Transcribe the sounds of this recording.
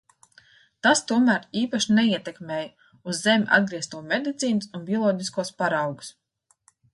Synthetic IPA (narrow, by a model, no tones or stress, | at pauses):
t̪ast̪uɔmæːɾiːpaʃineiɛt̪ɛkmʲɛːj | uzːemʲʔa̰d̪̚ɡɾiɛst̪uɔmʲed̪it̪siːnusunbʲiɔlˠɔːɟ̪ʲiskuɔspaɾawɡu̥s